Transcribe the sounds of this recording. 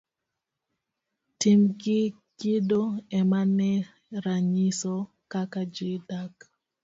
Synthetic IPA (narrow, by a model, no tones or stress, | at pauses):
timkɪ | kɪdoɛmanɛ | ɾaɲisɔ | kakad͡ʒɪdak